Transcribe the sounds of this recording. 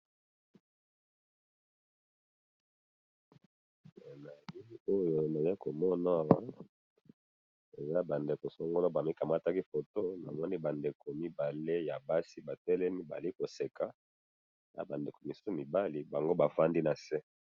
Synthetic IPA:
e˨na˨li˦o˦jo˦˨na˨je˦ko˨mɔ˦na˦a˨wa˦ | e˨za˦ba˨nde˨ko˨so˦ŋɡo˦lo˦ba˨mi˦ka˨ma˦ta˦ki˦fo˨to˦na̰˨mɔ˦ni˦ba˨nde˨ko˨mi˦ba˨le˦ja˨ba˦si˦ba˨tɛ˦lɛ˦mi˦ba̰˨li˦ko˨se˨ka˦˨ | za̰˦ba˨nde˨ko˨mi˨su̥˦so˦mi˨ba˦li˨ba˨ŋɡo˦ba˨fa˦ndi˦na˨sɛ˦

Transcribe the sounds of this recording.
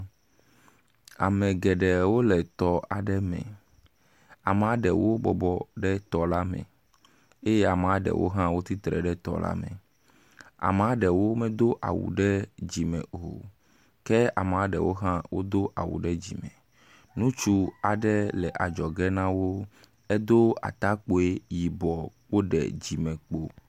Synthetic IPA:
a̰˨mɛ̃˨ɡɛ˨ɖɛ˨wo˦lɛ˨t̪ɔ˦a˨ɖɛ˦mɛ̰̃˨ | a̰˨m˨a˦ɖɛ˨wo˦bɔ˨bɔ˨ɖɛ˦t̪ɔ˨la˦mɛ̰̃˨ | e˦jɛ˦a˨m˨a˦ɖɛ̰˨wo̰˦ɦã˦wo˦t̪i˦t̪ɾɛ˨ɖɛ˦t̪ɔ̰˦la̰˦mɛ̰̃˨ | a̰˨m˨a˦ɖɛ˨wo˦mɛ̃˦d̪o˦ʔa̰˨wṵ˨ɖɛ˦d͡ʑi˨mɛ̰̃˨ɦo̰˨ | kɛ˦a̰˨m˨a˦ɖɛ̰˨wo˦ɦã˦wo˦d̪o˦ʔa̰˨wṵ˨ɖɛ˦d͡ʑḭ˨mɛ̰̃˨ | nũ˦t͡ʃu˦a˨ɖɛ˦lɛ˨ʔa˨d͡ʒɔ˨ɡɛ˦nã˦wo˦ | e˦d̪o˦a̰˨t̪a˦k͡po˨e˦ji˨bɔ˨k͡po˦ɖɛ̰˨d͡ʑi˨mɛ̃˨k͡po˦

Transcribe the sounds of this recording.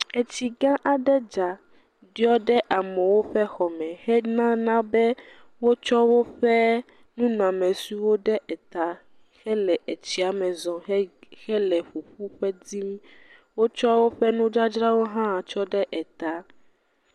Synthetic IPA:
ɛ˨t͡ɕi˨ɡã˦ʔa˨ɖɛ˦d͡ʒa˨ | ɖi˦ɔ˦ɖɛ˦ʔa˨mɛ̃˨wo˦ɸɛ˦xɔ˨mɛ̃˨hɛ˦nã˦nã˦bɛ˦ | wo˦t͡ʃɔ˦wo˦ɸɛ˦ | nũ˦nɔ̃˨a˨mɛ̃˨su˦wo˦ɖɛ˦ʔɛ˨t̪a˨ | xɛ˦lɛ˨ʔe˨t͡ɕi˨a˨mɛ˨zɔ̃˨˦xɛ˦lɛ˨ɸu˨ɸu˦ɸɛ˦d̪i˦m̃˦ | wo˦t͡ʃɔ˦wo˦ɸɛ˦nũ˦d͡ʒa˦d͡ʒɾa˦wo˦ɦã˦˨t͡ʃɔ˦ɖɛ˦ʔɛ˨t̪a˨

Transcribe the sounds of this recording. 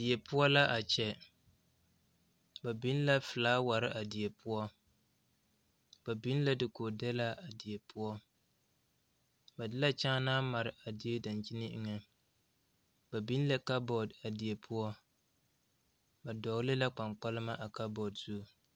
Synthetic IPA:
dɪ˨ɛ˨pʊ˦ɔ˦la˦ʔa˨t͡ʃɛ˨ | ba˨bi˦n˦la˦fɨ˨laː˦wa˨ɾɪ˦ʔa˨dɪ˨ɛ˨pʰʊ˦ɔ˦ | ba˨bi˦n˦la˦dɨ˨koː˨dɛ˦la˦ʔa˨dɪ˨jɛ˨pʰʊ˦ɔ˦ | ba˨dɨ˦la˦t͡ʃa˦naː˦ma˨ɾɪ˨a˨di˨e˦da˨nt͡ʃi˦nɪ˦ʔɨ˨ŋɛ˦ | ba˨bi˦n˦la˦ka˦bɔ˨da˨di˨je˨pʰʊ˦ɔ˦ | ba˨dɔ˨˦lɪ˦la˦k͡pa˨ŋk͡pa˦lɨ˦ma˦ʔa˨ka˦bɔ˨dzu˦˨

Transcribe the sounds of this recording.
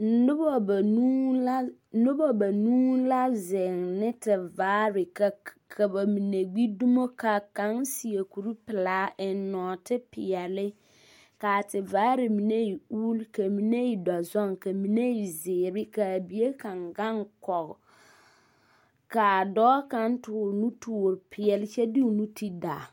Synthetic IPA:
n̩˨˦dʊ˦bɔ˨ba˨nũ˦la˦n̩˦dʊ˦bɔ˨ba˨nũː˦la˦zɪ˨ŋnɪ̃˦tʰɪ˨vaː˨˦ɾɪ˨ka˨ | kʰa˨ba˨mĩ˨ne˨ɡ͡bi˦du˦mo˦kʰa˨kã˨˦ŋsi˨e˨kʰu˨ɾu˦pɪ˨laː˨˦ʔɪ˨nɔ̃˨tʰɪ˦pʰɪ˨a˨lɪ˦ | ka˨tɪ˨vaː˦ɾɪ˨mi˨ne˦ji˨uː˦lka˨mi˨˦ne˦i˨da˨zɔ˦ŋka˨mi˨ne˦i˨zɪː˨ɾɪ˦ka˨bi˨e˦ka˨ŋɡa˦ŋkɔ˨ɡ | ka˨dɔː˦ka˦n˦tʊː˨nu˦tu˨o˨ɾpʰɪ˨ɛ˨lɪ˦t͡ʃɛ˦di˦u˨nu˦tʰi˦da˨

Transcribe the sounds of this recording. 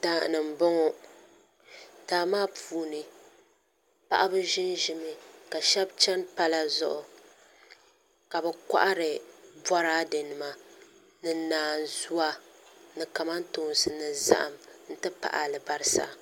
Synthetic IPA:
taː˨nɨ˨m̩˨bɔ˦ŋɔ˦ | taː˨maː˦pʰuː˦˨nɨ˨ | pa̰˦ʔa˦bɨ˦ʒɪ˦nʒɪ˦mɨ˨ka˨ʃɛ˦bt͡ʃɛ˦npa˦la˦zʊ̰˨ʔʊ˨ | ka˨bɛ˨kʷa̰˦ʔa˦ɾɨ˨bwa˦ɾaː˦dɨ˨nɨ˨ma˦ | nɨ˨naː˨n˨zu˦a˦nɨ˨ka˨ma˦n˦toː˨n˨sɨ˨nɨ˨za̰˦ʔa̰˨mn̩˦tɨ˦pa̰˨ʔa˨lɨ˨ba˦ɾɨ˦sa̰˦

